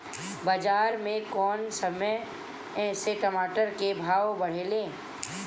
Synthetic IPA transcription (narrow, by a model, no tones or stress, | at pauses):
bəd͡ʒaːɾmẽkɔːnsəməj | ɛ̃seʈəmaːʈəɾkebʱaːwbɐɽ̤eːlẽː